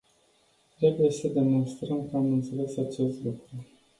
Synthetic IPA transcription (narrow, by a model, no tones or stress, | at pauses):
t̪ɾe̞buje̞səd̪e̞mo̞nst̪ɾəmkəamɨnt̪se̞le̞sat͡ʃe̞st̪lukɾu